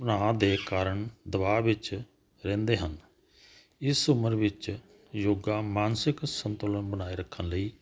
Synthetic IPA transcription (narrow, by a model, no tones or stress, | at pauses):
bənaːd̪eːkaːɾəɳd̪əbaːʋɪt͡ʃ | ɾɛ̃ːnd̪eːɦən | ɪsʊməɾʋɪt͡ʃ | joːɡaːmaːnsɪksənt̪oːlənbənaːiːɾəkʰːənləiː